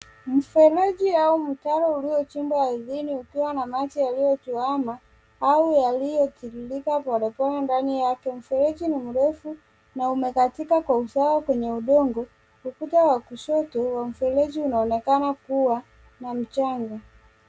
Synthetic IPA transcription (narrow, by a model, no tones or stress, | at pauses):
m̩fɛlɛd͡ʒiaum̩taɾɔuliɔt͡ʃimbwaaðiniukiwanamat͡ʃijalijɔtuwama | aujalijɔtiɾilikapaɗɔpɔnandanijakɛm̩fɛɾɛd͡ʒinimuɾɛfu | naumɛkatikakwausawakwɛɲɛuɗɔŋɡɔ | kukutawakuʃɔtɔwam̩fɛlɛʄiunaɔnɛkanakuwa | nam̩t͡ʃaŋɡɔ